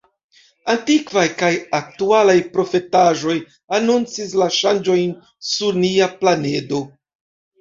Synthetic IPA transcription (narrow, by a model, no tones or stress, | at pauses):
antikvajkajak̚tualajpɾo̞fe̞taʒo̞j | anunt͡sis̬laʃand͡ʒo̞jn | suɾniaplane̞do̞